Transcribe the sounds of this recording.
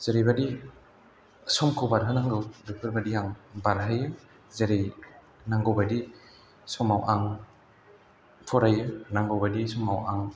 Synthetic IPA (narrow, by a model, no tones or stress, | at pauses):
z̥aɾejbadi | sɔmkʰowbaɾɦɯnaŋɡɯwbɯpʰɯɾbadiaŋbaɾɦɯjɯ | zaɾej | naŋɡɯwbadi | sɔmawʔaŋ | pʰɔɾajɯnaŋɡɯwbadisɔmawaŋ